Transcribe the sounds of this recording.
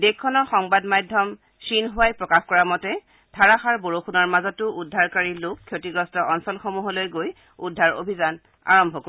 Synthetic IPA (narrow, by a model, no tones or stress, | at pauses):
dekʰːɔnɔɹxɔŋbadmajdʱɔm | sinɦʊwajpɹɔkaxkɔɹamɔtɛ | dʱaɹaxaɹboɹoxunaɹmazɔtːʊʔudʱaɹkaɹilʊkʰːjotiɡɹɔstɔʔɔnsɔlxomuɦɔlojɡoj | udʱːaɹo̰bʱizan | a̰ɹɔmbʱɔko